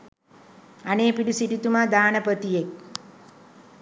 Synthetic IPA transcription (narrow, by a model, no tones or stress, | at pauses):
aneːpiɖusiʈit̪umaːd̪aːnəpət̪ijek̚